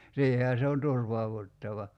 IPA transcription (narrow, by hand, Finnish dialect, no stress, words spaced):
siːhehæ se on turʋɑuʋutːɑʋɑ